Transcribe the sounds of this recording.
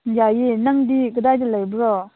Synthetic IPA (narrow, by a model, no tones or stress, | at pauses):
jajenaŋdiɡədajdəlajbɾɔ